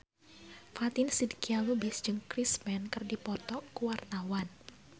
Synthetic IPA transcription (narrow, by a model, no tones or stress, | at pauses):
fat̪ɪnsidkialubɪsd͡ʒɨŋkɾismɛnkɨrdipɔt̪ɔkːuwart̪awan